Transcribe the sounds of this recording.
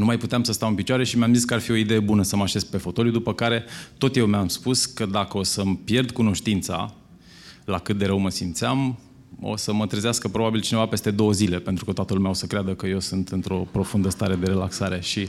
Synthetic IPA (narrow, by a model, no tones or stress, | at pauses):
numajput̪eamsəst̪amɨnpit͡ʃoaɾe̞ʃimeamzis̬kəarfio̞id̪e̞je̞bunəsəmaʃe̞zpe̞fo̞t̪o̞ljud̪upəkaɾe̞t̪o̞t̪je̞wmamspuskəd̪akəo̞səmpje̞rd̪kuno̞ʃt̪int̪sa̰ | lakɨt̪̚d̪e̞ɾəwməsimt̪seam | o̞̰səmət̪ɾizeaskəpɾo̞babilt͡ʃine̞vape̞st̪e̞d̪o̞wəzile̞pe̞nt̪ɾukət̪oat̪əlumʲeaosəkɾead̪əkəje̞wsɨnt̪ɨnt̪ɾo̞pɾo̞fund̪əst̪aɾe̞d̪e̞ɾe̞laksaɾe̞ʃi